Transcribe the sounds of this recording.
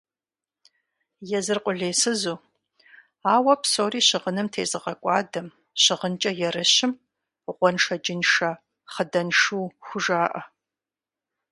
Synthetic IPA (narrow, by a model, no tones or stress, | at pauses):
jɛzɨrqʷʼʊɮeːsɨzuː | aːwɐpsoːriːɕɪʁənɨmtʰḛːzɨʁɐkʷʼɑːdɐm | ɕɪʁənt͡ʃʼɐjɛrɨɕɪm | ʁʷɔnʂɐd͡ʒɪnʂɐ | χədɐnʂuːxʷʊʒaːʔɐ̰